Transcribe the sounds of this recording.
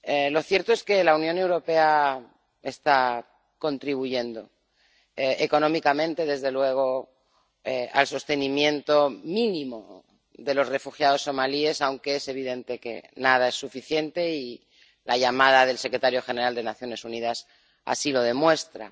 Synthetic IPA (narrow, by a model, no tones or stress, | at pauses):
elo̞θje̞ɾt̪oeske̞launjone̞wɾo̞pe̞a | e̞st̪a | ko̞nt̪ɾiβ̞uʝe̞nd̪o̞ | eeko̞nõ̞mikamẽnt̪e̞ðe̞zðe̞lwe̞ɣ̞o̞ | ea̰lso̞st̪e̞nimjẽ̞nt̪o̞mĩnĩmo̞ | ðe̞lo̞sre̞fuxjaðo̞sːo̞malie̞sawŋke̞e̞se̞β̞iðe̞nt̪e̞ke̞̰naðae̞sːufiθje̞nt̪e̞i | laʝamað̞aðe̞lse̞kɾe̞t̪aɾjo̞xe̞neɾald̪e̞naθjo̞ne̞sunið̞as | a̰silo̞ð̞e̞mwe̞st̪ɾa̰